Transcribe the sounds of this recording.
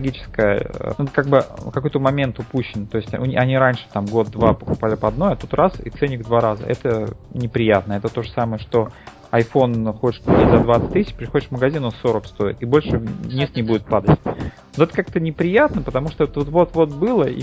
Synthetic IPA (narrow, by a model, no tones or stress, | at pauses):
ɡʲit͡ɕɪ̥skəjə̰t̪kaɡ̚bɨkɐko̞jʲt̪əmɐmʲe̞nt̪ʊpuɕːɪnt̪o̞ɪsʲtʲʊ̰nʲiʔɐnʲiɾanʲʂɨ̥t̪amɡo̞t̪̚d̪vapəkʊpalʲɪpɐd̪no̞jɐt̪ut̪rʔasḭt̪sɛnʲɪɡd̪vaɾazə̰ɛt̪ənʲɪpɾʲɪjat̪̚nəɛt̪ət̪o̞ʐəsaməjəʂt̪o̞ | ɐjfo̞nxot͡ɕʲɪʂklʊtʲizɐd̪vat̪sɨ̥t̚ʲt̪ːisʲɪt͡ɕpɾʲɪxodɪʂkməɡɐzʲinosoɾəkst̪o̞ɪ̰t̪ibo̞lʲʂɨnʲist̪nʲɪbudʲɪt̪̚pad̪ətʲnoɛt̪ə̥kak̚t̪ənʲɪpɾʲɪjat̪nəpət̪ɐmuʂt̪ovt̪vot̪vo̞t̪vo̞t̪̚bɨlˠəḭ